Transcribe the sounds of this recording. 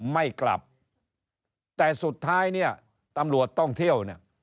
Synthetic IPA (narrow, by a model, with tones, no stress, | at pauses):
ma˥˩jkla̰˨˩p̚ | t̪ɛː˨˩su˨˩t̪ʰːaː˦˥jni˥˩ɐ | t̪a˧mɾu˨˩ət̪ːɔ˥˩ŋt̪ʰi˥˩əwni˥˩ə